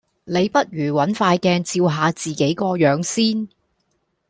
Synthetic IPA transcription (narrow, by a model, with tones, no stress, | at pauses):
ne˨˧jpɐ˥t̚jyː˨˩wɐ˨˥nfaː˧jkɛː˧nt͡siː˧wɦaː˨˧t͡siː˨˩ke˨˥jkɔː˧jœː˨˧˥ŋsiː˥n